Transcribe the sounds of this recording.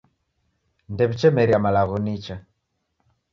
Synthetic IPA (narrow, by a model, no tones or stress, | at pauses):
ndɛβit͡ʃɛmɛɾiamalaɣɔnit͡ʃa